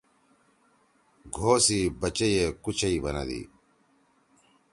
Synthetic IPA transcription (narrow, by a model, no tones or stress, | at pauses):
ɡʱoːsiːbɐt͡ɕejekut͡ɕʰɐibɐnɐ̰d̪ḭː